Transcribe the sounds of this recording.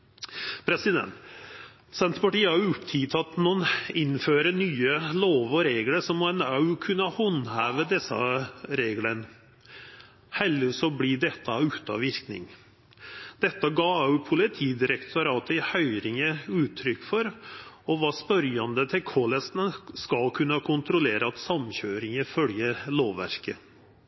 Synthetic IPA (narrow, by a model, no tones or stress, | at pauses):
pʰɾɛsɪd̪ɛ̰nt̪ | sɛnt̪pɑʈiːhɑʊʊpt̪ʰɪt̪ʰɑt̪nɔnɪnføːɾənyːəloːʋɔɾeːɡləɾʂɔmɔɛnɑʉkʰʉnːəɑhɔnhæːʋəd̪ɛsːɑ̰ɾeːɡlən | hɛlːəsɔblid̪ɛt̪ːəʉːt̪ɑ̰ʋɪɾknɪ̰ŋ | d̪ɛt̪ːəɡɑːɑʉpʰʊlɪt̪ʰiːd̪ɪɾɛkt̪ʊɾɑːt̪əɪhœʏɾɪŋəʉːt̪ʰːɾʏkːfɔɾɔʋɑːspœɾjɑnd̪ət̪ʰɪlkʰɔləsnəskɑlkʰʉnːəkʰʊnt̪ɾʊleːɾəɑt̪sɑmçøːɾɪŋəfœljəɾloːʋʋæ̰ɾkə